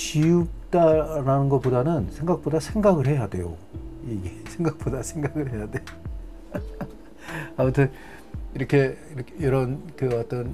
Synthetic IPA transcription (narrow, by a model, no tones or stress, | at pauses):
t͡ɕijuk̚t͈aɾanɯnɡʌp͈odanɯnsʰe̞ŋɡak̚p͈odasʰe̞ŋɡaɡɯɭhe̞jade̞̰jo̰iɡesʰeŋɡak̚p͈odasʰeŋɡaɡɯɭɦe̞jadejo | amʌtʰɯn | iɾʌkʰe̞iɾʌkjʌɾʌnkɯʌt͈ʌn